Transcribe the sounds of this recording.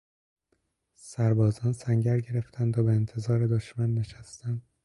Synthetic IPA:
sæɾbɒːzɒːnsæɲɟæɾɟe̞ɾe̞ft̪ʰænd̪ɒːbeːnt̪ʰe̞zɒːɾed̪oʃmænːe̞ʃæst̪ænd̪̥

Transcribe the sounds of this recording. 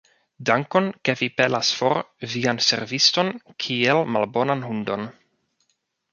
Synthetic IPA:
daŋko̞nke̞vipelasfo̞ɾvianse̞̰ɾvisto̞nkʰielmalbo̞nanɦundo̞n

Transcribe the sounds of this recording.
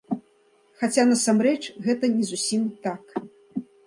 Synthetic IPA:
xat͡sʲanɐsamɾɛt͡ʂɣɛt̪ɐnʲɛzusʲimt̪ak

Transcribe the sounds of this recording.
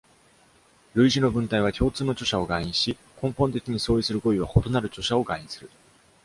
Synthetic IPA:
ɾɯ̟iʑino̞bɯ̟̃nt̪aiβakʲo̞ːt͡sɨːno̞t͡ɕo̞ɕao̞ɡaĩɕi | kʰõ̞mpõnt̪ekʲiɲ̟iso̞ːisɨɾɯ̟ko̞iβ̞aho̞t̪o̞naɾɯ̟t͡ɕo̞ɕao̞ɡaĩsɨɾɯ̟

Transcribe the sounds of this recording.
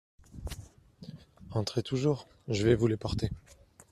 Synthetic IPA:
ɑ̃t̪χet̪uʒuːʁ | ʒəvɛvulepɔʁt̪e

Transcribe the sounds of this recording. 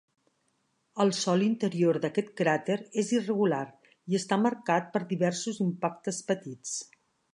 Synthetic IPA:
əlˠsɔlint̪əɾioɾðəkɛt̪kɾat̪eɾezirəɣulaɾ | iəst̪aməɾkat̪̚pəɾðiβɛɾsuzimpak̚t̪əspət̪it͡s

